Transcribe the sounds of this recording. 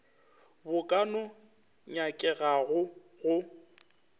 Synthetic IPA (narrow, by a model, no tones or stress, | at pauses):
bʊkʼanɔ | ɲakʼɛɣaɣʊ | ɣʊ